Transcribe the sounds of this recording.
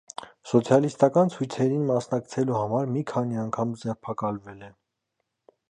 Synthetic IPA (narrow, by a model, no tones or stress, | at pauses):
sɔt͡sʰjɑlist̪ɑkɑnt͡sʰujt͡sʰɛɾinmɑsnɑkt͡sʰɛluhɑmɑɾmikʰɑniɑŋkʰɑmd͡zɛʁpʰɑkɑlvɛlɛ